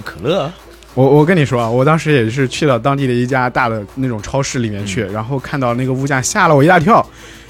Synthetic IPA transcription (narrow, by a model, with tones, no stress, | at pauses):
kʰɤ̥˨˩lɤ˥˩ | wɔ˨˩wɔ˨˩k̬ə˥ni˨˩ʂwɔ˥a˧˩wɔ˨˩t̪ɑ˥ŋʂɻ̩˧˥jɛ˨˩˥ʂɻ̩˥˧t͡ɕʰy˥˧ɑ˥˩ʊt̪̬ɑ˥ŋt̪̬i˥˩d̪ə˩i˥˩t͡ɕja˥t̪a˥˩d̪ə˩na˥˩ʈ͡ʂʊ˨˩ŋʈ͡ʂʰɑ˥ʊʂɻ̩˥˩li˨˩mjɛ˥˧nt͡ɕʰy˥˩ɻa˧˥nxo˥˧ʊkʰa˥˧nt̪ɑ˥˧ʊna˥˩ɡə˩u˥˧t͡ɕja˥˩ɕja˥˩lə˨wɔ˨˩i˧˥t̪a˥˧˩t̪ʰjɑ˥˩ʊ